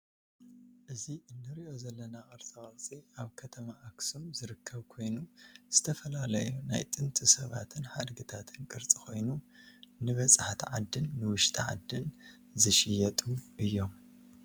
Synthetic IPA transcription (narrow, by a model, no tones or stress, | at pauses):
ʔɨziʔɨnːɨɾiʔo̞zɐlːɐnaʔʼɐɾt͡sʼawʼɐɾt͡sʼiʔaβkʰɐt̪ʰɐmaʔːksumzɨɾɨkʰːɐβkʰo̞jnuz̥ɨt̪ʰɐfɐlalɐjuna̰jt̪ʼɨnt̪ʼɨsɐβa̰t̪ʰɨnħad̪ɡɨt̪ʰat̪ʰɨnkʼɨɾt͡sʼikʰo̞jnunɨβɐsʼħt̪ʰʕa̰d̪ːɨnːɨwʊʃt̪ʼiʕa̰d̪ːɨn | zɨʃɪjɐt̪ʼumʔɨjːo̞m